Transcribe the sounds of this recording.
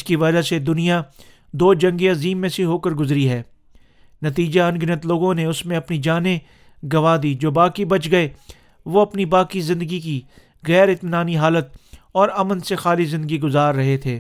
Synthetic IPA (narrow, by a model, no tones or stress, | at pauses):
ɪskiʋɐd͡ʒased̪ʊnija | d̪oːd͡ʒɐ̃ŋɡeɐziːmːẽseɦoːkəɾɡʊzɾiɦɛː | nɐt̪iːd͡ʒaɐ̃nɡɪnət̪loːɡõneʊsmẽɐpnid͡ʒaːne | ɡɐʋaːd̪iːd͡ʒoːbaːkibɐt͡ʃɡɐe | ʋoɐpnibaːkizɪ̃nd̪əɡiki | ɣɛːɾɪt̪naːniɦaːlət̪̚ɔːɾɐmənsexaːlizɪ̃nd̪əɡiɡʊzaːɾːɐɦet̪ʰeː